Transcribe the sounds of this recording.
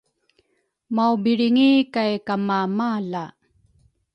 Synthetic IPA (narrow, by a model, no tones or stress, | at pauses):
mawbiɻiŋikajkamamala